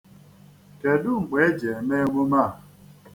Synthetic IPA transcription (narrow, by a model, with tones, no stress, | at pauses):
ke˨dʊ˦ŋ͡m̩˨ɡ͡be˨˦d͡ʒe˨me˦ŋʷo˦ma˦˨